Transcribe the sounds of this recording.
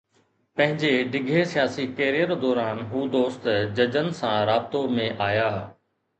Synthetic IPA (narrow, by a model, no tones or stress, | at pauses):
pɐ̃ɦɪ̃ɲd͡ʑeɖɪɡʱesijaːsikeːɾijəɾd̪ɔːɾaːnɦuːd̪oːst̪d͡ʑɐd͡ʑənɪ̆sãɾaːbɪt̪omẽʔaːjaː